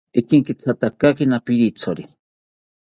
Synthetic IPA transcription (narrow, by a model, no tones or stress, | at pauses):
ikiŋkit͡sʰat̪akakinapiɾit͡sʰoɾi